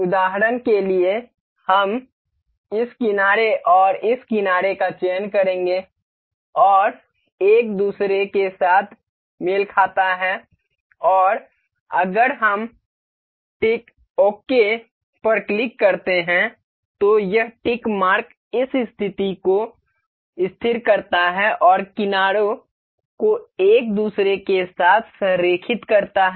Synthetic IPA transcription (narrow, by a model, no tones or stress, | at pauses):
ʊd̪aːɦəɾənkelie | hɐm | ɪskɪnaːɾeʔɔːɾɪskɪnaːɾekat͡ʃeːnkɐɾẽːŋɡe | ɔːɾ | eːk̚d̪uːsɾekesaːt̪ʰ | mɪlkʰaːt̪aɦɛ | ɔːɾ | ɐɡəɾɦɐm | ʈɪk | oːke | pɐɾklɪkːɐɾt̪eɦɛ̃ | t̪ojɐɦʈɪkmaːɾk | ɪsɪst̪ʰɪt̪iko | ɪst̪ʰɪɾkɐɾt̪aɦɛʔɔːɾkɪnaːɽo | koeːk̚d̪uːsɾekesaːt̪ʰsɾeːkʰɪt̪kɐɾt̪aɦɛ